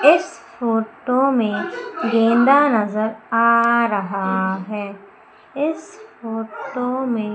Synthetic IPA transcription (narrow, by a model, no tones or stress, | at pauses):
ɪsfoːʈomẽɡẽːnd̪anɐzəɾaːɾɐɦaɦɛː | ɪsfoːʈomẽ